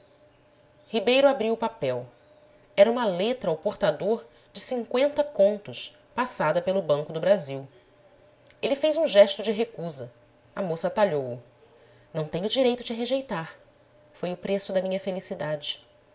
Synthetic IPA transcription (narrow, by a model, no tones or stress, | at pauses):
hibejɾʊabɾiwʊpapɛw | ɛɾɐũmɐlet̪ɾɐawpoɾt̪ad̪oɾ | d͡ʒɪsĩŋkwẽnt̪ɐkõnt̪ʊs | pasad̪ɐpelʊbɐ̃ŋkʊd̪ʊbɾaziw | elɪfejzũʒɛʃt̪ʊd͡ʒɪɦekuzɐ | ɐmosɐt̪aʎowʊ | nɐ̃w̃t̪ẽɲʊd͡ʒiɾejt̪ʊd͡ʒɪɦeʒejt̪aɾ | fojʊpɾesʊd̪ɐmĩɲɐfelisid̪ad͡ʒɪ